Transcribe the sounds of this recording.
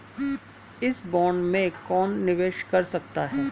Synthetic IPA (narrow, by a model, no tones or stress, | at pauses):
ɪsbɔːɳɖmẽkɔːnːɪʋeːʃkɐɾsɐk̚t̪aɦɛː